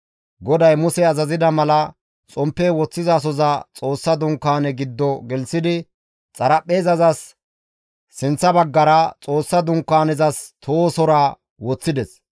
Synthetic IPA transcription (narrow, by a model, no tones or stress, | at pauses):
ɡɔd̪ɐjmʊsɛɐzɐzɪd̪ɐmɐlɐ | t͡sʼɔmpːɛwɔt͡sːɪzɐːs̬ɔzɐt͡sʼo̞ːsːɐd̪ʊŋkːaːnɛɡɪd̪ːɔɡɛlsɪd̪ɪ | t͡sʼɐɾɐpʼːe̞ːzɐzɐsː | ɪnt͡sːɐbɐɡːɐɾɐt͡sʼo̞ːsːɐd̪ʊŋkːaːnɛzɐst̪ʰoːsɔɾa | wɔt͡sːɪd̪ɛs